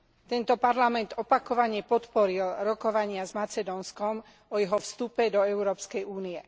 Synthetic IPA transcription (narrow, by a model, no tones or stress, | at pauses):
t̪ɛnt̪ɔpaɾlamɛnd̪ɔpakɔʋaɲɛpɔt̪pɔɾilɾɔkɔʋaɲɪazmat͡sɛd̪ɔːnskɔm | ɔjɛɦɔfst̪upɛd̪ɔɛʊɾɔːpskɛjuːniɛ